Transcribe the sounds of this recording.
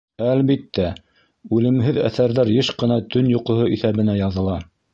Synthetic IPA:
ælβit̪ːæ | ʉlɘ̆mɦɘðæ̰θæɾðæɾjɤʃqɤ̆nɑt̪ɵnjuqŏɦoʔiθæβɘ̆næjɑðɤ̆lˠɑ

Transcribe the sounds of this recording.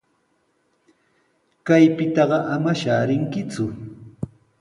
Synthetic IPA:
kajpɪt̪ɑɢɑʔamaʃaːɾɪŋkɪt͡sʊ

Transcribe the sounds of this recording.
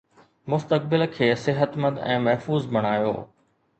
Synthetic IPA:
mʊst̪ək̚bɪlkʰeːsɪɦət̪mɐ̃d̪ɛ̰̃ːmɐɦfuːzbɐɽ̃aːjo̰ː

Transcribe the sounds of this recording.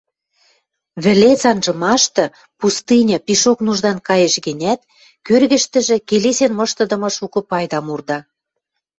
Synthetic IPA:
βɘ̆let͡sɑnʒɤ̆mɑʃt̪ɤ̆ | pust̪ɨnʲɤ̆piʃoknuʒd̪ɑnkɑjĕʃɣĕnʲæt̪̚ | kørɣɘ̆ʃt̪ə̆ʒĕkelesenmɤ̆ʃt̪ɤ̆d̪ɤ̆mɤ̆ʃukɤ̆pɑjd̪ɑmurd̪ɑ

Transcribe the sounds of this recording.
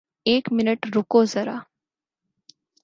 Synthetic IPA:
eːkmɪnəʈɾukozəɾa̰

